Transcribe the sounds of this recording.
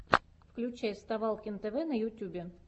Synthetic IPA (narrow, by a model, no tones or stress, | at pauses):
fklʲʉt͡ɕæjɪst̪ɐvalˠkʲɪnt̪ɛvɛnəjʊtʲːubʲɪ